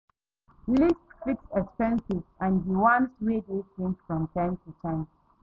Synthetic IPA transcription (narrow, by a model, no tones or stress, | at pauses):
listfiksɛkspɛ̃nsɪvãnɦiwɔ̃nswedetɪ̃ŋkfɹɔ̃mtʰãɪ̃mtʰutʰãɪ̃n